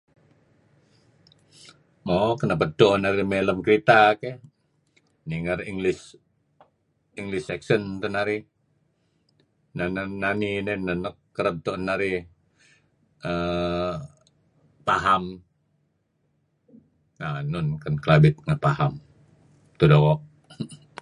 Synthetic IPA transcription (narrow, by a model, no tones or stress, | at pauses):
mokənapət̪̚d̪oʔnaɾimeləmkəɾit̪ake | niŋəriŋɡlɪs | iŋɡlɪsɛksənt̪ənaɾi | nananːaninɛnənɔkːəɾət̚t̪onaɾi | ə | paɦam | nanʊnkənkəlabɪt̪̚ŋapaham | t̪udokɔʔ